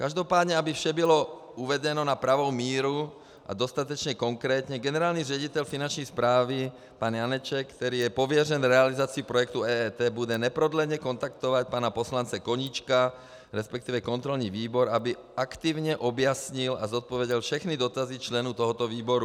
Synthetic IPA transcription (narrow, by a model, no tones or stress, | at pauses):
kaʒd̪ɔpaːd̪ɲɛabifʃɛbilɔ | uʋɛɟɛnɔnapɾaʋɔwmiːɾu | ʔa̰d̪ɔst̪at̪ɔt͡ʃɲɛkɔŋkɾɛːt̪ɲɛɡɛnɛɾaːlnirɪɛɟit̪ɛʎfinant͡ʃnɛjspɾaːʋi | paːnjanɛt͡ʃɛkkt̪ɛɾiːjɛpɔʋɪɛrɛnɾɛalizaːt͡siupɾɔjɛkt̪uɛːɛːt̪ɛːbudɛɲɛpɾɔd̪lɛɲɛkɔnt̪akt̪ɔʋacpaːnapɔslant͡sɛkɔɲiːt͡ʃka | ɾɛspɛk̚t̪iːʋɛkɔnt̪ɾɔlniʋiːbɔɾabi | akt̪iːʊɲɛʔɔbjasɲila̰zɔt̪̚pɔʋɛɟɛlfʃɛxnid̪ɔt̪azit͡ʃlɛnut̪ɔɦɔt̪ɔʋiːbɔɾu